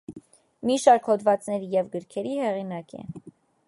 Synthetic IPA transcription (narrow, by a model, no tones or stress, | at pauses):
miʃɑɾkhɔd̪vɑt͡snɛɾijɛvɡəɾkʰɛɾihɛʁinɑkɛ̰